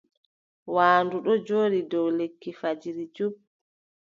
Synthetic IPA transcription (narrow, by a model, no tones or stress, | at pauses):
waːnduɗɔd͡ʒoːɗidɔwlekːifad͡ʒiɾid͡ʒub